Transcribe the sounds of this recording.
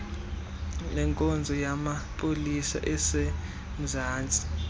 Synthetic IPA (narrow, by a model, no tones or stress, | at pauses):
nɛŋkʼond͡zʱɔjamapʼolisa̰ʔɛse | m̩zaːnd͡zʱi